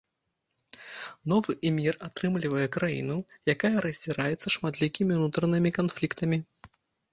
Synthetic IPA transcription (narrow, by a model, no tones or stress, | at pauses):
nɔvɨʔmʲirat̪ɾɨmlʲivɐjɛkɾajḭnujakajɐɾɐzʲd͡zʲiɾajɛt̪sːɐʂmat̪lʲikʲimʲiunut̪ɾɐnɨmʲikanflʲikt̪ɐmʲi